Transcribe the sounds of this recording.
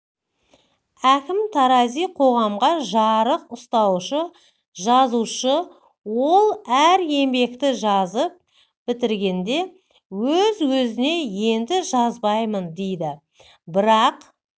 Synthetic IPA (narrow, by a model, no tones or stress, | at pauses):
ækʲɪmt̪ʰɑɾɑzijqʰo̞ʁɑmʁɑʒɑɾəqʊst̪ɑwʃə | ʒɑzuʃə | wo̞lˠæɾe̞mbe̞k̚t̪ɪʒɑzəp̚ | b̥ɪt̪ɪɾɡʲe̞nd̪e̞ | wɵzwɵzɪne̞je̞nd̪ɪʒɑzbɑjmənd̪e̞jd̪ɪ | bɪɾɑq